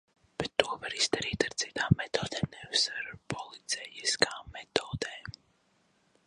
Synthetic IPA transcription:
b̥ɛt̪ːuɔvaɾiz̥d̪aɾiːt̪aɾt̪sit̪aːmːɛt̪oːd̪ɛːmnɛvusaɾpɔlˠit̪sɛjiskaːmɛt̪ɔːd̪eː

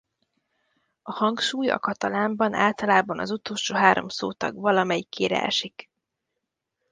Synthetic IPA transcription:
ɒhɒŋkʃuːjɒ̰kɒt̪ɒlaːmbɒna̰ːlt̪ɒlaːbɒnɒ̰zut̪oːlʃoːɦaːɾʔo̞̰mso̰ːt̪ɒ̰ɡvɒlɒmɛjikːeːɾɛ̰ɛ̰ʃik

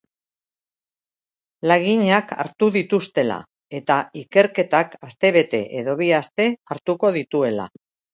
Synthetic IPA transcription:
laɣiɲaka̰ɾt̪uðit̪ust̪e̞la̰ | e̞t̪aike̞ɾke̞t̪akast̪e̞βe̞t̪e̞ʔeðo̞βiast̪e̞aɾt̪uko̞ð̞it̪ue̞la̰

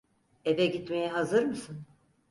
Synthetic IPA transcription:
evɛɟit̪me̞jɛɦazɯɾmɯsɯn

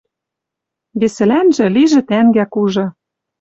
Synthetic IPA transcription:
βesɘ̆lænʒɘ̆liʒɘ̆t̪æŋɡækuʒɤ̆

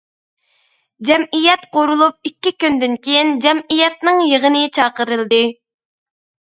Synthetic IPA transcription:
d͡ʒɛmʔijɛt̪̚qoɾulˠup̚ikʲːikʲynd̪ɪnkʲʰejind͡ʒɛmijɛt̪̚nɨŋjəʁənɨt͡ʃʰɑːqəɾɨlˠd̪ɨ

